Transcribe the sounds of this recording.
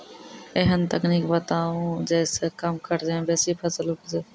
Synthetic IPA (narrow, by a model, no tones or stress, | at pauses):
eɦənt̪əkniːkbət̪aːũd͡ʒɛːsekəmkəɾd͡ʒebɛːsipʰəsəlɦʊkd͡ʒe